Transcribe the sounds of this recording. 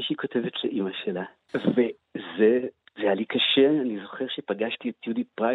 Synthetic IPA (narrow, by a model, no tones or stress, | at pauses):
iʃiko̞tevetleʔimaʃela | ve | ze | zejalikaʃeanizo̞χeʁʃepaɡaʃtiet̪judipʁa